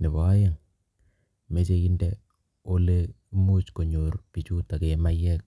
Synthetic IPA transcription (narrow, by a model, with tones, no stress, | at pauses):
nɪ˨bɔ˨˦ja˦˨ŋ | me˦t͡ʃe˦ki˦ndɛ˦ | o˦le˦mu˦t͡ʃko˨ɲo˨ɾpi˨t͡ʃu˦ta˨ke˨ma˦jɛ˦k̚